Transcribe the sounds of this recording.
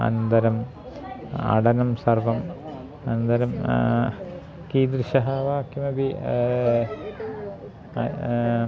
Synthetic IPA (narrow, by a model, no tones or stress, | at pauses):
ɐ̰nɐnd̪ɐɾɐm | ɐ̰ɽɐnɐmsɐrʋɐm | ɐnɐnd̪ɐɾɐm | kiːd̪ɾʃɐɦaːʋaːkːimɐbi